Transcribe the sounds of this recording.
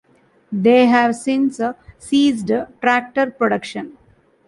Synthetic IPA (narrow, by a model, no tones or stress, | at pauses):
d̪eːɦæʋsɪ̃nssiːzɖʈɾæk̚ʈəɾpɾoɖʌkʃə̃n